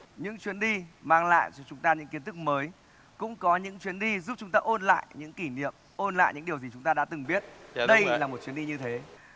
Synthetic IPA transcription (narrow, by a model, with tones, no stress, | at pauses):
ɲɨ̰˧˥ŋt͡ɕwi˨˦ənɗi˧maː˧˩ŋla̰ː˧˨jt͡ɕɔ˧t͡ɕʊ˨˦ŋ͡mt̪aː˧ɲɨ̰˧˥ŋki˨˦ənt̪ɨ˦˥k̚məː˨˦j | kʊ̰˧˥ŋ͡mkɔ˨˦ɲɨ̰˧˥ŋt͡ɕwi˨˦ənɗi˧zu˦˥p̚t͡ɕʊ˨˦ŋ͡mt̪aː˧ʔo˧nla̰ː˧˨jɲɨ̰˧˥ŋki˧˩nḭ˧˨əm | ʔo˧nla̰ː˧˨jɲɨ̰˧˥ŋɗi˨˩əwzi˨˩t͡ɕʊ˨˦ŋ͡mt̪aː˧ɗa̰ː˧˥t̪ɨ˨˩ŋɓi˦˥ət̚ɗə˧jlaː˨˩mo˨˩t͡ɕwi˨˦ənɗi˧ɲɨ˧t̪ʰe˨˦